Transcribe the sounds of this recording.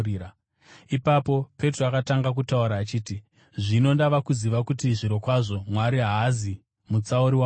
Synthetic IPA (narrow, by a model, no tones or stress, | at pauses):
a | ipapo̞pe̞troakataŋɡak̬utauɾaːt͡ʃiːti | ʐino̞ndaʋakuziʋakutiʐiɾo̞kwaʐo̞mwaɾiɦaːzi | mut͡sauɾiwa